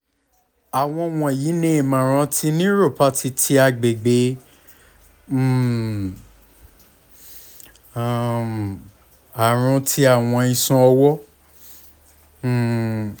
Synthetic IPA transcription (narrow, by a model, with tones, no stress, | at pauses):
a˨w̃ɔ̃˧w̃ɔ̃˧˨jiː˨˦nẽ˦˨mã˨ɾ̃ã˧tʰi˧nĩ˦ɾo˦˨pa˧˦ti˧tʰi˧a˧ɡ͡be˨ɡ͡be˨˦˨ | a˨ɾ̃ũ˧tʰi˧a˦˨w̃ɔ̃˧ĩ˧sũ˧ɔ˧wɔ˦˨